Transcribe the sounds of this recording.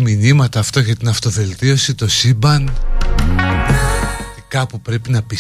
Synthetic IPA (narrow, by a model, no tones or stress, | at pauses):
minimɐt̪ɐːft̪ɐʝɐt̪inɐft̪o̞ve̞lt̪io̞sit̪o̞sibɐn | inɐɐt̪ikɐpupɾe̞pinɐpi